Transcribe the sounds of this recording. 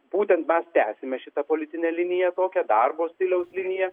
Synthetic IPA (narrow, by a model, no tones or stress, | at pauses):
buːt̪ʲɛnt̪mʲɛst̪ʲæːsʲɪmʲɛʃʲɪt̪ɐpoːlʲɪt̪ʲɪnʲeːlʲɪnʲɪjɛt̪oːkʲɛd̪ɐrboːsʲt̪ʲɪlʲɛʊslʲɪnʲɪjɛ